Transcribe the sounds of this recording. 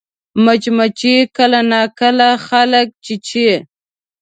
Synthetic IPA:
mat͡ʃmat͡ʃekəlanakəlaxalək̚t͡ʃit͡ʃe

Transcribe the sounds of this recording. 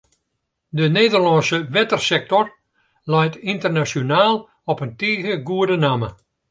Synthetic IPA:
dəneːdərlɔnsəʋɛtərsɛk̚tɔr | lajtintərnasjonaːlˠ | ɔpəntiːɣəɡuədənamə

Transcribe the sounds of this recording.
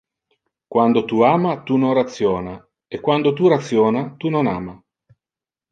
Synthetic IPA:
kwand̪ot̪uaːmat̪unonrat̪sːjɔːna | ekːwand̪ot̪urat̪sːjɔːnat̪unona̰ːma

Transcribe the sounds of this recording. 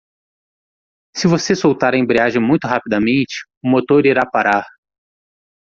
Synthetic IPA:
sɪvosesowt̪aɾẽbɾiaʒẽj̃mũj̃t̪ʊɦapid̪ɐmẽnt͡ʃɪ̥ | ʊmot̪oɾiɾapaɾaɾ

